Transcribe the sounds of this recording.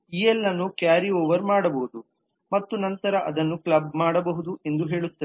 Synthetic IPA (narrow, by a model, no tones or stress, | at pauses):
iːɛlːɐnːukjaːɾioːʋɐɾmaːɽɐbɐɦud̪u | mɐt̪ːunɐnt̪ɐɾɐʔɐd̪ɐnːukɭɐbmaːɽɐbɐɦud̪uʔe̞nd̪uɦe̞ːɭut̪ːɐe